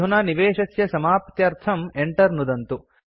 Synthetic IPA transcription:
unaːniʋeːʂɐsjɐsɐmaːpɐt̪jɐɾt̪ʰɐmeɳʈɐɾnud̪ɐnt̪u

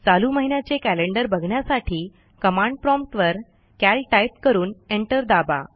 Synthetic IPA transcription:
t͡saluməɦinjat͡ɕekæleɳɖəɾbʱəɡʱɳjasaʈʰiː | kəmãɳɖpɾɔmpʈ̪ʋəɾ | kælʈajp̚kəɾuːneɳʈəɾd̪aba̰

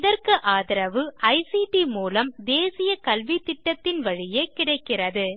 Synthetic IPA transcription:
ðɐrkɯʔaːðɪɾɐʋɯɐɪsiʈimuːlɐmd̪eːsɪjɐkɐlʋit̪ːɪʈːɐt̪ːɪnʋɐɻɪjekɪɽɐɪkːɪrɐðɯ

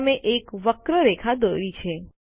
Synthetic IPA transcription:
meʔekʋəkɾəɾekʰad̪oɾit͡ʃʰe

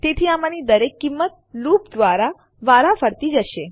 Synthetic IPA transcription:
t̪et̪ʰiamanid̪əɾekːimːət̪̚ | lupd̪ʋaɾa | ʋaɾafəɾt̪id͡ʒəʃe

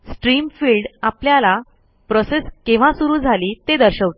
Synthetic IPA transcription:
sʈɾiːmfiːlɖapljala | pɾɔseskĩʋ̤ãsuɾuːd͡zʱaliːt̪ed̪əɾɕəʋt̪

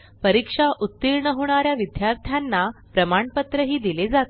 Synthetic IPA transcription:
pəɾikʂaʔut̪ːiɾɳəɦoɳ̃aɾjaʋid̪jaɾt̪ʰjanːapɾəmaɳpət̪ɾəɦiːd̪iled͡zat̪

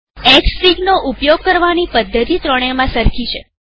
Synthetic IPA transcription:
ɛkssiɡnoʔupjoɡ̚kəɾʋanipəd̪ʱːət̪it̪ɾəɽ̃emãsəɾkʰit͡ʃʰe

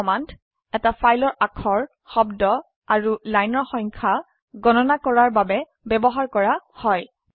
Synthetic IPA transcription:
ɔmant | ɛtafajlɔɹʔakʰɔɹ | xɔbdɔ | aɹulajnɔɹxɔjŋkʰa | ɡɔnɔnakɔɹaɹbabɛ | bɛbɔɦaɹkɔɹahɔj

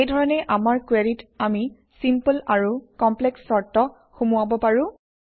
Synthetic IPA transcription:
ejdʱɔɹɔnɛʔamaɹkweɹitami | simpəlaɹukɔmpleksːɔɹtɔ | xumuabɔpaɹʊ̃

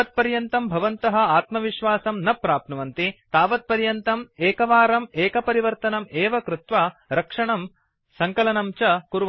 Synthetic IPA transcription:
ɐt̪̚pɐɾjɐnt̪ɐmbʱɐʋɐnt̪ɐɦɐ̆aːt̪mɐʋiʃʋaːsɐmnɐpːɾaːp̚nɐʋɐnt̪it̪aːʋɐt̪̚pɐɾjɐnt̪ɐmeːkɐʋaːɾɐmeːkɐpɐɾiʋɐɾt̪ɐnɐmeːʋɐkɾut̪ʋaɾɐkʂɐɳɐm | sɐŋkɐlɐnɐmt͡ʃɐkuɾ

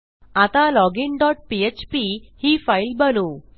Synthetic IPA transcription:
at̪alɔɡinɖɔʈ̚piet͡ɕpihiːfailbənu

